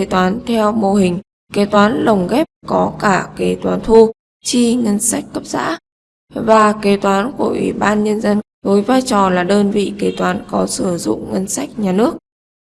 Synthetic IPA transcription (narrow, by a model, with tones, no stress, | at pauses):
e˨˦t̪waː˨˦nt̪ʰɛ˧wmo˧˩ɦï˨˩ŋ̟ | ke˨˦t̪waː˨˦nlə˨˩wŋ͡mɣɛ˦˥p̚kɔ˨˦kaː˧˩ke˨˦t̪waː˨˦nt̪ʰu˧ | t͡ɕi˧ŋə˧nsa˦˥jk̟̚kə˦˥p̚za̰ː˧˥ | vaː˨˩ke˨˦t̪waː˨˦nku˧˩əʔwḭ˧˩ɓaː˧nɲə˧nzə˧n | vəː˨˦jvaː˧jt͡ɕɔ˨˩laː˨˩ɗəː˧nvḭ˧˨ke˨˦t̪waː˨˦nkɔ˨˦sɨ˧˩zʊ̰˧˨ŋ͡mŋə˧nsa˦˥jk̟̚ɲaː˨˩nɨ˦˥ək̚